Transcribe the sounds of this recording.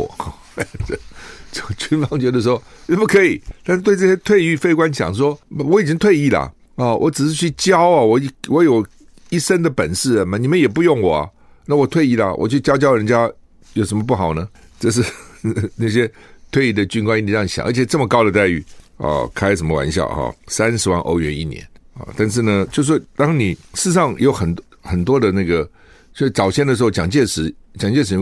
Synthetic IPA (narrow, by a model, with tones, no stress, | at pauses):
wɔ̰˨˩˦ | t͡ɕo˥˩t͡ɕʰy˥nfɑ˥ŋt͡ɕɥɛ˧˥d̪ə˧ʂ̬wɔ˥ɛ˥˩pu˥˩kʰɤ˧˥i˨˩t̪a˥˧nʂ̩˥˩t̪we˥˧ɪʈ͡ʂɤ˥˧˩ɕjɛ˥t̪ʰwe˥˧ɪy˥˧fe˥˧ɪkwa˥˦nt͡ɕʰjɑ̰˨˩ŋʂ̬wɔ˥˨wɔ˨˦˥i˨˩t͡ɕi˥ŋt̪ʰwe˥˧ɪi˥˩lɐ̰˩ | ɐ˥˧wʔɔ̰˧˥˦ʈ͡ʂɻ̩˨˩ʂ̬ɻ̩˥˧t͡ɕʰy˥˩t͡ɕjɑ˥ʊɐ˨wɔ˧˦˥wɔ˨˦jo˨˩ʊ | i˥˩ʂə˥nd̪ə˨pə˨˩nʂɻ̩˥˩ə˨˩m˩ni˨˩mə˦njɛ˨˩pu˥˧jʊ˥˩ŋwɔ˨˩ɐ̰˦ | na˥˩wɔ˨˩t̪ʰwe˥˧ɪi˥˩lɐ̰˨˩wʔɔ̰˨˩t͡ɕʰy˥˩t͡ɕjɑ˥ʊt͡ɕjɑ˥ʊɻə˧˥nt͡ɕja˥ | jo˨˩ʊʂə˧˥mə˧pu˥˩xɑ˨˩ʊnə˦ | ʈ͡ʂɤ˥˧ʂ̬ɻ̩˥˧na˥˩ɕ̬jɛ˥t̪ʰwe˥˩ɪi˥d̪ə˨t͡ɕy˥nkwa˥ni˥ni˧˥ɑ˥˩ɕjɑ̰˨˦ʔə̰˧˥t͡ɕʰɛ˨˩ʈ͡ʂə˥˩mə˨˩kɑ˥ʊd̪ə˨t̪a˥˧ɪy̰˥˩ɐ̰˧kʰa˥ɪʂ̬ə˧˥nmə˧wa̰˧˥nɕjɑ̰˨˩xɑ̰˧˩sa˥nʂɻ̩˧˥wa˥˩nʔo̰˧˥ʊɥɛ˧˥nḭ˥˩njɛ̰˧˦nɐ̰˨˩t̪a˥˧nʂ̬ɻ̩˥˩nə˩t͡ɕjo˥˧ʊʂ̬wt̪ɑ˥ŋni˨˩ʂɻ̩˥˧ʂɑ˥˩ŋjo˧˥ʊxə˨˩nt̪ | xə˨˩nt̪̬wɔ˥d̪ə˨na˥˩ɡə˩ | t͡ɕjo˥˧ʂ̩˥˩t͡sɑ˨˩ʊɕjɛ˥ndə˩ʂɻ̩˧˥xo˥˩ʊt͡ɕjɑ˨˩ŋt͡ɕjɛ˥˩ʂɻ̩˧˥t͡ɕjɑ˨˩ŋt͡ɕjɛ˥˩ʂ̬ɻ̩˧˥